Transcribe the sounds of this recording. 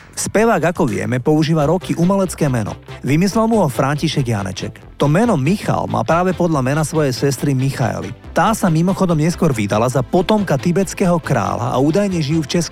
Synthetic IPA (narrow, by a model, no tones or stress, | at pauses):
spɛʋaːɡakɔʋɪɛ̰mɛpɔuʒiːʋaɾɔkiʔumɛlɛt͡skɛːmɛnɔ̰ʋimislɛlmuɦɔfɾaɲciʃɛɡja̰nɛ̰t͡ʃɛ̰k | t̪ɔmɛnɔmixa̰lma̰ːpɾaːʋɛpɔd̪ʎamɛnasʋɔjɛjsɛst̪ɾimixa̰ɛ̰lḭt̪aːsamimɔxɔd̪ɔmɲɛskʊɔɾʋid̪alazapɔt̪ɔmkat̪ibɛt͡skɛːɦɔkɾa̰ːla̰ʔa̰uːd̪ajɲɛʒijuːft͡ʃɛsku̥